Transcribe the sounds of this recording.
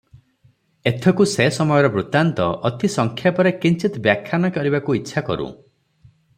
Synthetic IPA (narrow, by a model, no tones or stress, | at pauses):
et̪ʰɔkusesɔmɔjɔɾɔbɾut̪ant̪ɔʔɔt̪ʰisɔŋkʰjapɔɾekint͡ʃit̪ɔbjakʰːjanɔkɔɾibakuitːʃʰakɔ̰ɾṵ̃